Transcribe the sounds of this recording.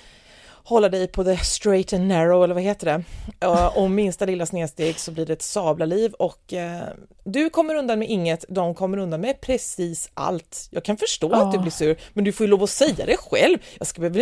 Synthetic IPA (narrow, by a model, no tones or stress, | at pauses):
hɔlːad̪ɛjpʰɔd̪ɛst̪ɾɛɪt̪ɛnːɛɾɔɛlːəɾvaɦeːt̪əɖɛ | ɔmːɪnst̪alɪlːasneːd̪st̪eːɡsɔbliːɖɛɛt̪sɑːblaliːvɔk | d̪ɵkʰɔmːəɾɵnd̪anmɛʔɪŋːət̪d̪ɔmkʰɔmːəɾɵnd̪anmɛpʰɾɛsiːsʔa̰lt̪jɑ̰ːɡ̚kʰanfœʂʈoːat̪d̪ɵblɪʂʉ̟ːɾmɛnd̪ɵfoːjʏloːvɔsɛjːa̰d̪ɛɧɛ̰lvjɑːskabɛøːva